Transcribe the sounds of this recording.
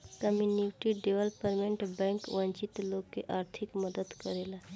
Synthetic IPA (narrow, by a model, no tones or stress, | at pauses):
kəmjuniʈiɖeʋəlpəɾmẽɳʈbɛ̃ːŋkʋə̃nt͡ʃɪt̪loːɡkeʔaːɾt̪ʰɪkməd̪əd̪kəɾela